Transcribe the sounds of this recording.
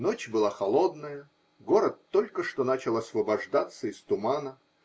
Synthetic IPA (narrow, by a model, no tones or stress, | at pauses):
no̞t͡ɕbɨlˠaxɐlˠo̞d̪nəjə | ɡo̞ɾət̪ːo̞lʲkəʂt̪onat͡ɕɪlˠɐsvəbɐʐd̪at̪sːəɪst̪ʊmanə